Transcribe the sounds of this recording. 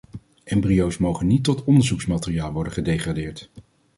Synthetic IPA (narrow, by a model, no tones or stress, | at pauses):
ʔɛmbriowsmowχənːitːɔtɔndəɹzuksmaːtɪrijaːlˠʋɔɹdəχədejχraːdɪːɹt